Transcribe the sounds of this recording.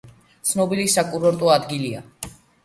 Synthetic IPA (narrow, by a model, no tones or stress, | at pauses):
t̪sʰnɔbilisakʼuɾɔɾt̪ʼɔad̪ɡilia